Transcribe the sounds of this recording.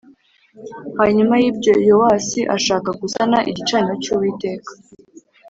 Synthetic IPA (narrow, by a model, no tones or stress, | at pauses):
haɲumajiːb̚ɟo̞jowaːsiʔaʃaːkaɡusanaʔḭɟit͡ʃaɲiɾot͡ʃuwiːte̞ːkḁ